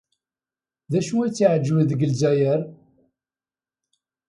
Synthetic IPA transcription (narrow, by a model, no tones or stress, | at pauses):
ðæʃuit͡sːiʕəd͡ʒːwəðəɡəlzæjəɾ